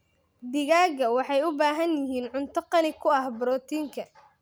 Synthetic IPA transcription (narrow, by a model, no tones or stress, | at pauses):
d̪ɪɣaːɣɐwɑħɑjʊbaːɦɐnjɪɦiːnʕʊnt̪ʰɐqɑnɪkʰʊɐhbɾɔːt̪ʰiːŋkʰɐ